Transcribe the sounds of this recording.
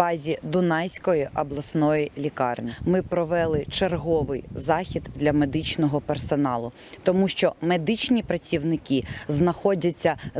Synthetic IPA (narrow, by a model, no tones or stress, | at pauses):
ɑzʲid̪ʊnɑjsʲkɔjiʔɐblˠɐsnɔjilʲikɑrnʲimɪpɾɔʋɛlˠɪt͡ʃerɦɔʋɪjzɑxʲid̪d̪lʲɐmed̪ɪt͡ʃnɔɦɔpersɔnɑlˠʊ | t̪ɔmuʃt͡ʃɔmed̪ɪt͡ʃnʲipɾɐt͡sʲiwnɪkiznɐxɔdʲɐt͡sʲːɐ